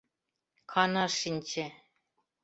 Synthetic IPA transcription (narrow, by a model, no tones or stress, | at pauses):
kʰɑnɑʂinʲt͡ɕĕ